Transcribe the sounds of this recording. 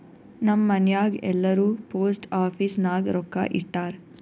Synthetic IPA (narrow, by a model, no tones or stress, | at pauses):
nɐmːɐnjaːɡɛ̰lːɐɾuːpoːsʈaːpʰisnaːɡɾɔkːa̰ːʔiʈːaːɾ